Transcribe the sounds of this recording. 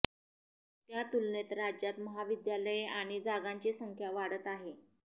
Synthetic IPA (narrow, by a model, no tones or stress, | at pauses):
t̪jat̪ulnet̪ɾad͡ʑjat̪məɦaʋid̪jaləjaɽ̃id͡zaɡaɲt͡ɕesəŋkʰjaʋaɽət̪aɦe